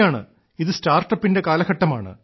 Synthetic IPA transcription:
aːɳɨ̰ | iðɨstaːrʈɐpːinde̞kaːlɐɡɐʈːɐma̰ːɳɨ̰

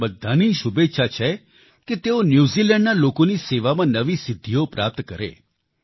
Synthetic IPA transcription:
bəd̪ʱːaniʃubetːʃʰat͡ʃʰe | ket̪eonjuzilɛ̃ɳɖnalokoniseʋamãnəʋisɪd̪ʱːiopɾap̚t̪kəɾḛ

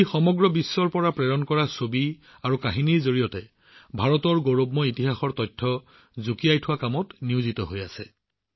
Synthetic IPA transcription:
jxɔmɔɡɹɔbisːɔɹpɔɹapɹɛɹɔnkɔɹasobi | aɹukaɦiniɹzoɹijɔtɛ | bʱaɹɔtɔɹɡoɹobmɔitiɦaxɔɹtɔjtʰːɔ | zukijajtʰʊwakamɔtniuzitɔɦojasɛ̰

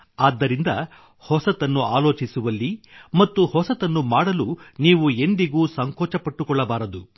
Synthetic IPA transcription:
aːd̪ːɐɾind̪ɐ | hɔsɐt̪ɐnːuaːloːt͡ʃisuʋɐlːimɐt̪ːuhɔsɐt̪ɐnːumaːɽɐluniːʋuend̪iɡuːsɐŋkɔːt͡ʃɐpɐʈːukɔɭːɐbaːɾɐd̪u

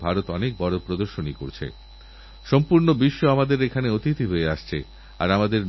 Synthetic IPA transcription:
bʱaɾot̪ɔnek̚bɔɾopɾod̪oɾʃoniko̰ɾt͡ɕʰḛ | ʃɔmpuɾnobiʃːoamad̪eɾekʰaneot̪it̪iɦoeaʃt͡ɕʰe | a̰ɾamad̪eɾ

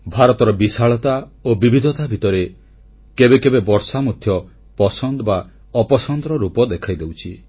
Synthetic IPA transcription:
bʱaɾɔt̪ɔɾɔbisaɭɔt̪aobibʱid̪ʱɔt̪abʱit̪ɔɾe | kebekebebɔɾsamut̪ʰjɔ | pɔsɔnd̪ɔba | ɔpɔsɔnd̪ɾɔɾupɔd̪ekʰajd̪ewt͡ʃʰi

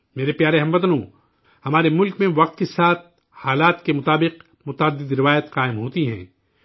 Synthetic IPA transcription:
meːɾepjaːɾeɦɐmʋɐt̪nõː | hɐmaːɾemʊlkmẽʋɐq̚t̪̚kesaːt̪̚ʰ | haːlaːt̪kemʊt̪aːbɪq | mʊt̪aːd̪ɪd̪ɾɪʋaːjət̪qaːɪmɦoːt̪iɦɛ̰̃ː

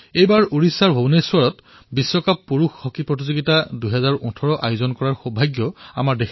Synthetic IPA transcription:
ejbaɹuɹisːaɹbʱonesuaɹɔt | bisːɔkapːuɹuxːɔkipɹɔt̬izoɡitadujɦɛzaɹɔtʰɔɹɔʔa̰jʊzɔnkɔɹaɹxobʱajɡjɔa̰maɹdek

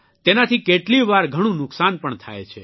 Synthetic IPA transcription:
t̪enat̪ʰikeʈliʋaɾɡʱəɽ̃ũnʊksanpəɳt̪ʰa̰jt͡ʃʰḛ

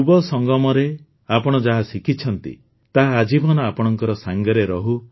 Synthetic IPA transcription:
ubɔsɔŋɡɔmɔɾe | apɔɽ̃ɔd͡ʒaɦasikit͡ʃʰɔnt̪ḭ | t̪aɦaːd͡ʒibɔnɔapɔɽ̃ɔŋkɔɾɔsaŋɡɔɾeɾɔɦu

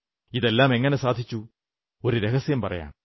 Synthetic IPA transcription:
iðe̞lːaːme̞ŋːɐnesaːd̪ʱit͡ɕːu | o̞ɾuɾeɣɐsjɐmpɐrɐ̰ja̰ːɳ

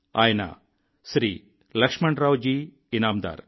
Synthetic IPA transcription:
aːjna̰ː | sɾiː | lɐkʂmɐɳɖɾaːwd͡ʒi | inaːmd̪a̰ːɾ

